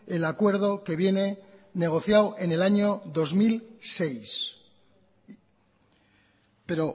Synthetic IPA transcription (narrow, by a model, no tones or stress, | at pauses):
e̞lakwe̞ɾð̞o̞ke̞βje̞ne̞ne̞ɣ̞o̞θjawʔe̞ne̞laɲoðo̞zmilse̞js | pe̞ɾo̞